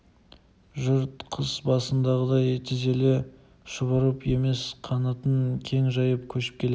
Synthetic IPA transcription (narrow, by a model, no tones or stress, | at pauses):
ʒʊɾt̪qʰəzbɑsənd̪ɑʁəd̪ɑjt̪ʰɪze̞lɪ | ʃʊβəɾəpe̞me̞sqʰɑnɑt̪əŋkʲʰe̞ŋʒɑjəp̚kʲʰɵʃɪ̥p̚kʲʰe̞le